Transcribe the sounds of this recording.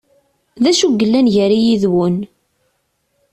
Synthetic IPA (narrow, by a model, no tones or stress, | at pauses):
ðæʃuɡːəlːænʝəɾijiðwən